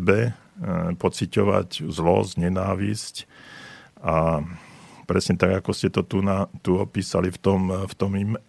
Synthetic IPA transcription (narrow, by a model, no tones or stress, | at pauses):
bɛ | pɔt͡sicɔʋa̰czlɔ̰zɲɛnaːʋisc | a | pɾɛsɲɛt̪aɡakɔscɛt̪ɔt̪unat̪uɔpiːsalift̪ɔmft̪ɔmim